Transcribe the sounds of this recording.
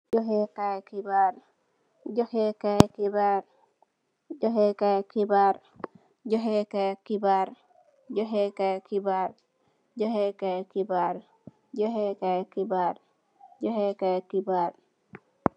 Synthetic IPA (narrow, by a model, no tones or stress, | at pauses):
d͡ʒɔɦɛkakibaɾ | d͡ʒɔhɛkajkibaɾ | d͡ʒɔɦɛkakibaɾ | d͡ʒɔɦɛkakibaɾ | d͡ʒɔɦɛkajkibaɾ | d͡ʒɔɦɛkakibaɾ | d͡ʒɔɦɛkajkibaɾ | d͡ʒɔɦɛkakibaɾ